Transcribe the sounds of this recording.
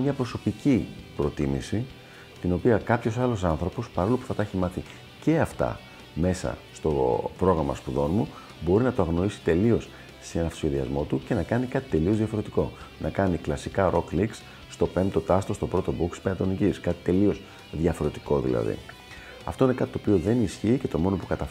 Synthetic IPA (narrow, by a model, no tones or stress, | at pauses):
mɲɐpɾo̞so̞picipɾo̞t̪imḭsi | t̪ino̞piɐkɐpço̞sɐlosɐnθɾo̞po̞spɐɾo̞lupu̥θɐt̪ɐeçimɐθi | ce̞ɐft̪ɐ̰ | me̞sɐ̰st̪o̞pɾo̞ɣɾɐmɐ̰spuðo̞nmu | bo̞ɾinɐt̪oɐɣno̞isi̥t̪e̞lio̞s | senɐft̪seðiɐ̰zmo̞t̪uce̞nɐkɐnikɐt̪i̥t̪e̞lioðʝɐfo̞ɾe̞t̪i̥ko̞nʔɐkɐniklɐsikɐɾo̞kliksː | st̪o̞pemt̪o̞t̪ɐst̪o̞st̪o̞pɾo̞t̪o̞bukspeɐt̪o̞niciskɐt̪i̥t̪e̞lio̞s | ðʝɐfo̞ɾe̞t̪i̥ko̞ðḭlɐ̰ðḭ | ɐ̰ft̪o̞ine̞kɐt̪i̥t̪opio̞ðe̞nisçiːce̞t̪o̞mo̞no̞pukɐt̪ɐ